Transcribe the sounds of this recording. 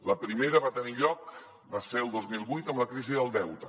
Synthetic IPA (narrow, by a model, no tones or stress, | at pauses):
ləpɾimeɾəβat̪əniʎɔk̚ | baselˠd̪ozmilˠβujt̪əmləkɾiziðəlˠd̪ɛwt̪ə